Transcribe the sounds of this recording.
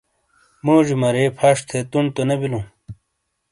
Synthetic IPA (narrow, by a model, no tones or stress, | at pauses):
moːʑimɐɾepʰaʂt̪ʰet̪uɳɖt̪onɐbilũ